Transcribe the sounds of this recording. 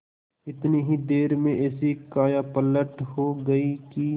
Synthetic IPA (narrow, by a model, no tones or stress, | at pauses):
ɪt̪niɦid̪eːɾmẽʔɛːsikaːjapɐlːəʈhoɡɐiki